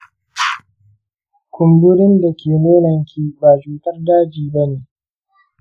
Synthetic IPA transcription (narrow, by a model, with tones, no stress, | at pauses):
kʷʊ˨mbʊ˦ɽɪ˦nda˨kʲeː˨neː˦nɐ˨ŋkʲiː˦baː˨d͡ʒuː˨tɐ˦rdaː˦d͡ʒiː˨bɐ˦neː˨ʔ